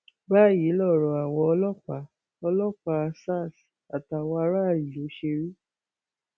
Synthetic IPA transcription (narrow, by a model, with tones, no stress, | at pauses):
ba˦˨ji˨˦lɔ˦˨ɾɔ˨a˨wɔ̃˧ɔ˧lɔ˦k͡pa˧˦ | ɔ˧lɔ˦k͡pa˧a˧sa˦˨s | a˨ta˨wɔ˧a˧˦ɾa˦˨ɾi˨lo˨˦ʃe˧ɾi˦